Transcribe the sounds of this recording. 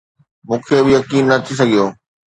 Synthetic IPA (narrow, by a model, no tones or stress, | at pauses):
mũːkʰebɪjɐkiːnːɐt̪ʰis̬ɐɡʱijoː